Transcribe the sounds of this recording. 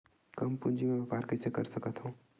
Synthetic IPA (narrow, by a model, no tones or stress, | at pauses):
kɐmpũnd͡ʒimẽbepaːɾkəsekəɾsəkət̪ɦũ